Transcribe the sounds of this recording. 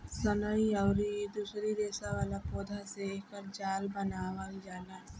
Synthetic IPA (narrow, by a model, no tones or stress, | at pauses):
sɐnəiəʊɾid̪uːsɾid̪eːsaʋaːlapoːd̪ʱaseeːkəɾd͡ʒaːlbɐnaːʋaid͡ʒaːla